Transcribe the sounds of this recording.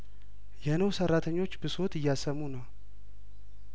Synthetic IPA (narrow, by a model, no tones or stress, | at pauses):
jɛnəwsərːat̪ʰəɲːo̞t͡ʃːbɨso̞t̪ʰɨjːasəmːunəw